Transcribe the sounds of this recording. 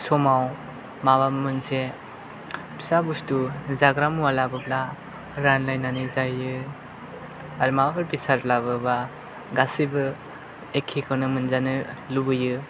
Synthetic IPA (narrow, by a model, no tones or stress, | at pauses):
sɔmaw | maβamɯnse | bʰi̥sabustuzaɡɾamuwalabɯbla | ɾanlajnanɯzajɯ | aɾumababɯɾbisaɾlaβɯba | ɡasibɯ | ekʰikʰɯwnɯmɯnzanɯlubɯjɯ